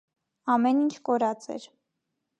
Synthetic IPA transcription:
ɑmɛnint͡ʃʰkɔɾɑt͡sɛ̰ɾ

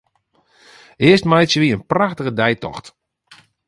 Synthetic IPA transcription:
ɪəstmajtsjəʋiənpraxtəɣədɛjtɔ̰xt

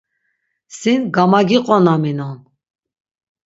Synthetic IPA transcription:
sinɡamaɡiqʼɔnaminɔn

